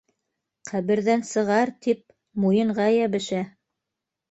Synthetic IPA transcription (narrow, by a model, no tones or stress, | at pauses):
qæβɘ̆ɾðænsɤ̆ʁɑɾt̪ip̚ | mujɤ̆ɴʁɑjæβɘ̆ʃæ